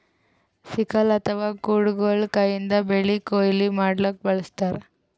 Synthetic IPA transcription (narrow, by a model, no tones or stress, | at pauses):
sikɐlɐt̪ʰɐʋaːkuːɽɡoːlkɐjind̪ɐbeɭːikoːjlimaːɽlɐk̚bɐɭɐst̪aːɾe